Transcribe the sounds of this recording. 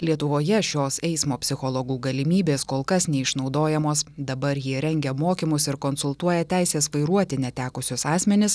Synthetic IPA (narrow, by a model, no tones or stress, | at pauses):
lʲiɛt̪ʊʋoːjɛʃʲoːsɛɪsmoːpʲsʲɪxolˠoɡuːɡɐlʲɪmʲiːbʲeːskoːlˠkɐsnʲɛɪʃnɒʊd̪oːjɛmoːsd̪ɐbɐɾjiɛɾʲɛŋʲɡʲɛmoːkʲɪmʊsɪɾkonsʊlˠt̪uɔjɛt̪ʲæˑɪsʲeːsʋɐɪɾuɔt̪ʲɪnʲɛt̪ʲæːkʊsʲʊsɑːsʲmʲɛnʲɪs